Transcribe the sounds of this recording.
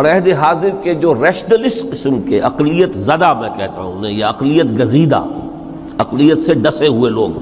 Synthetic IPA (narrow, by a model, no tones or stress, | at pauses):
ɾɛːɦd̪eɦaːzɪɾked͡ʒoːɾɛːʃd̪əlɪsqɪsəmkeʔɐqlijət̪zɐd̪amɛ̃ːkɛɦt̪a̰ɦṵ̃nẽjaɐqlijət̪ɡɐziːd̪a̰ | ɐqlijət̪seɖɐseɦueloːɡ